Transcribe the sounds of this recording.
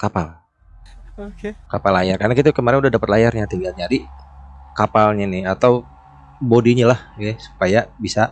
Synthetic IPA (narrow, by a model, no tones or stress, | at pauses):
kapal | okekapalajarkarnakit̪akəmaɾɪnudahdapət̪̚lajarɲat̪iŋɡald͡ʒadi | kapalɲanɪhat̪aw | bodiɲalahɛsu̥pajabisa